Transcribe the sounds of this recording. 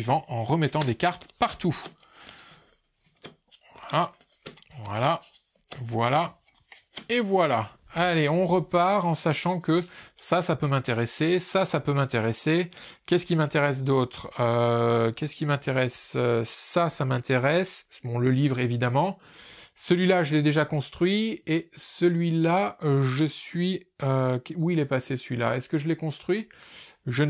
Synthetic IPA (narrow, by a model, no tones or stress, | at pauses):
ivɑ̃ʔɑ̃ʁəmɛt̪ɑ̃d̪ekaʁt̪paʁt̪u | vala | vwa̰la | vwala | evwalaaleɔ̃ʁəpaʁɑ̃saʃɑ̃kəsasapømɛ̃t̪eʁesesasapømɛ̃t̪eʁesekʲɛskʲimɛ̃t̪eʁɛs̬d̪ot̪χøkʲɛskʲimɛ̃t̪ʰeʁɛsøːasamɛ̃t̪eʁɛsbɔ̃ləlivʁevid̪amɑ̃ | səlɥilaʒəlɛd̪eʒakɔ̃st̪χɥiesəlɥilaʒəsɥiøkʲuilɛpasesəlɥila̰ɛskəʒəlɛkɔ̃st̪χɥi | ʒə